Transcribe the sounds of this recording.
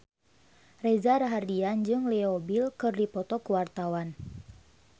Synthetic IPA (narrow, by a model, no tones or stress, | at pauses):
rɛzaɾaɦardiand͡ʒɨŋlɛobilkɨrdipɔt̪ɔkəwart̪awan